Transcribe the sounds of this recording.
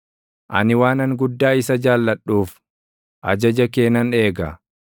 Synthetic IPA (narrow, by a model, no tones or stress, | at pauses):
ʔɐ̰nɪwaːnɐŋɡʊd̪ːaːɪsɐd͡ʒaːlːɐᶑuːf | ʔɐ̰d͡ʒɐd͡ʒɐke̞ːnɐne̞ːɡɐ